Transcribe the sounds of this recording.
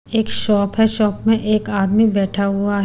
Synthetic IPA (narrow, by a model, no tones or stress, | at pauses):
eːkʃɔːpɦɛʃɔːpmẽʔeːkaːd̪mibɛːʈʰaɦʊaɦ